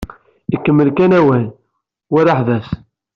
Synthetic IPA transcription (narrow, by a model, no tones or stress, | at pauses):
ikːəmːəlkænæwæn | waɾaħðæs